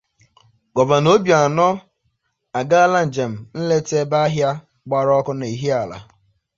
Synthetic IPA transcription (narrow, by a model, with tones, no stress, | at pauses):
kɔ˨ba˨no˦bja˨nɔ˦ | a˨ɡa˦la˦n̩˨d͡ʒe˨m̩˨n̩˦le˦te˦ba˦ɦja˦ | ɡ͡ba˦ɾɔ˦kʊ˦na˨i˨ɦi˦a˨la̰˨